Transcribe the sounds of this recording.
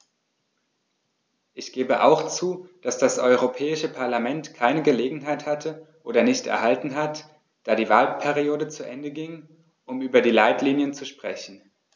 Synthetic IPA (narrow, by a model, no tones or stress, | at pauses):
ʔɪçɡ̥eːbəʔa̰ʊxt͡suːd̥asd̥asʔɔʏʁ̞opʰɛːɪʃəpʰaɐlamɛntkʰaɪnəɡəleːɡŋ̩ɦaɪthatʰəʔoːdɐnɪçtɛ̰ɐɦaltn̩ɦat | d̥aːɾiːvaːlpʰɛʁioːdət͡suʔɛ̰ndəɡɪŋ | ʔʊmyːbɐdiːlaɪtliːnjənt͡suʃpʁ̥ɛ̰çn̩